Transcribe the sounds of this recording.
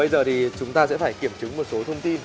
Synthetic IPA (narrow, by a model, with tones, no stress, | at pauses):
ə˧jzəː˨˩t̪ʰi˨˩t͡ɕʊ˨˦ŋ͡mt̪aː˧sɛ̰˧˥faː˧˩jki˧˩əmt͡ɕɨ˨˦ŋmo˨˩t̚so˨˦t̪ʰə˧wŋ͡mt̪i˧n